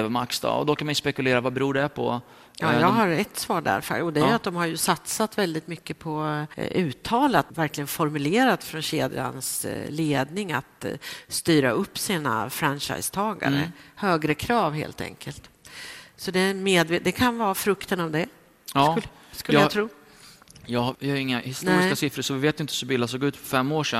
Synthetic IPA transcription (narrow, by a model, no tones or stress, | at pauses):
vmaksd̪ɑ̰ːɔ̰d̪ɔkʰanmajspɛkɵleːɾavabɛɾuːɖɛpʰɔ̰ | jɑːjɑːɡɦaɾɛt̪svɑːɖæ̰ɾfə̰ɔd̪ɛjat̪̚d̪ɔmhaɾjɵsat̪sat̪vɛld̪ɪt̪mʏkːəpʰɔʉ̟ːt̪ʰɑːlat̪væɾklɪɡənfɔɾmɵleːɾat̪fɾɔnɕeːd̪ɾa̰nsleːd̪nɪŋa̰t̪st̪yːɾa̰ɵpːsiːna̰fɾanɕa̰jst̪ʰɑːɡa̰ɾə̰høːɡɾəkʰɾɑːvhḛːlt̪ɛ̰ŋkʰəlt̪ | sɔd̪ɛmeːd̪veːd̪ɛkʰanvɑːfɾɵkt̪ənavd̪ɛ | skɵlːjat̪ʰɾuː | jɑvɪhajɪŋːahɪst̪nuɛɾɪskasɪfɾəsɔvɪveːt̪jʏɪnt̪əsɵbɪlːasoːɡʉ̟ːt̪fœɾfɛmːoːʂɛ